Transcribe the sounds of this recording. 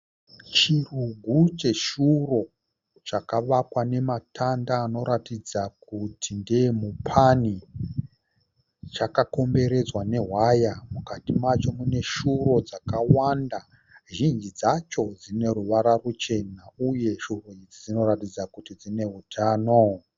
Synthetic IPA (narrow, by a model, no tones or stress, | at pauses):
t͡ʃiruɡʱut͡ʃe̞ʃuro̞ | t͡ʃakaʋakwane̞matʰandaːno̞ɾatid͡zakutʰindemupʰani | t͡ʃakako̞mbe̞ɾe̞d͡zwane̞ɦwajamukatimat͡ʃo̞mune̞ʃuro̞d͡zakawanda | ʒind͡ʒid͡zat͡ʃo̞d͡zine̞ɾuʋaɾarut͡ʃe̞nauje̞ʃuro̞id͡zid͡zino̞ɾatid͡zakutid͡zine̞ɦutʰaːno̞